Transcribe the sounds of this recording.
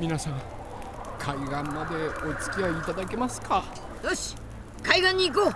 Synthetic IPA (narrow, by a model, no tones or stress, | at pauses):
mʲinasãŋ | kʰaiɡãmːad̪e̞ot͡sɨ̥kʲiaiːt̪ad̪ake̞masɨ̥kʰa | d̪oɕ | kaiɡãɲ̟ːiːk̬oː